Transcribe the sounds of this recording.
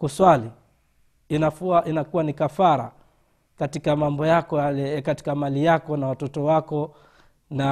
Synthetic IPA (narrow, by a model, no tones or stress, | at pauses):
kuswali | inafaʔinakuwanikafaɾa̰ | katikamambɔjakɔjalɛkati̥kamalijakɔnawatɔtɔwakɔ | na